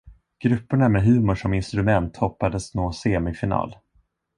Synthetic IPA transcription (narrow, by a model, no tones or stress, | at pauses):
ɡ̥ɾɵpːʊɳamɛɦʉ̟ːmʊʂɔmɪnst̪ɾɵmɛnt̪hɔpːad̪əsnoːseːmɪfɪnɑ̰ːl